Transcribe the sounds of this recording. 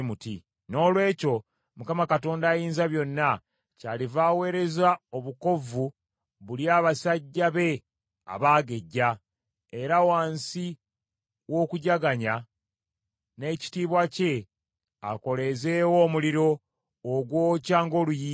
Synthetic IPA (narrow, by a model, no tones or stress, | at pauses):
muti | no̞ːlwe̞ːco̞ | mukamakato̞ːndaːjiːnzaβjo̞nːa | caːlivaːwe̞ːɾe̞zao̞βuko̞vu | βuljaːβasaɟːaβe̞ | a̰βaːɡe̞ɟːa | e̞ɾawaːnsi | wo̞ːkuɟaɡaɲa | ne̞ːci̥tiːβwace̞ | a̰ko̞le̞ze̞ːwo̞ːmuliɾo̞ː | ɡwo̞ːcaːŋɡo̞lujiː